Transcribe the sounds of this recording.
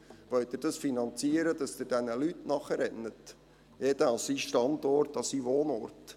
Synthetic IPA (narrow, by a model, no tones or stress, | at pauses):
ʋœɥtd̥̪ɪɾd̥ɑsfinɑnt͡siəɾəd̪ɑsd̪ɪɾd̥ɛnəlytnɑχəɾɛnːət | jɛd̪əɑlsiʃtɑnd̪ɔrtɑsiʋoːnɔ̰rt